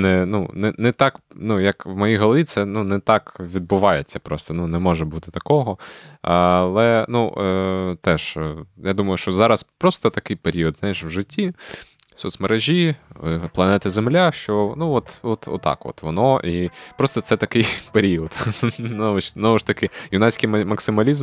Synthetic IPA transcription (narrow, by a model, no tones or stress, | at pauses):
nɛnṵnɛnɛt̪ɑknujɐkʋmɐjiɦɔlˠɐʋʲit̪sɛnunɛt̪ɑkʋʲid̪̚bʊʋɑjet͡sʲːɐpɾɔst̪ɔnunɛmɔʒɛbut̪ɪ̥t̪ɐkɔɦɔɐlˠɛnu | t̪ɛʃjad̪umɐjʊʃt͡ʃɔzɑɾɐspɾɔst̪ɔt̪ɐkɪjpeɾʲiɔd̪znajeʃwʒɪtʲːi | sɔt̪smɐɾeʒʲiplˠɐnɛt̪ɪzemlʲaʃt͡ʃɔnuɔt̪ɔt̪ɔ̰t̪ːɑ̰kɔ̰t̪ʋɔnɔʔipɾɔst̪ɔt̪sɛt̪ɐkɪjpeɾʲiɔd̪nɔʋɪʃznɔʋʊʃt̪ɐkɪjʊnɑsʲkɪjmmɐksɪmɐlʲizm